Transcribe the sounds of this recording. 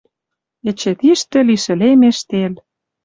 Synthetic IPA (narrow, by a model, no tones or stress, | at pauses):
ĕt͡ɕĕt̪iʃt̪ɘ̆liʃɘ̆lemeʃt̪el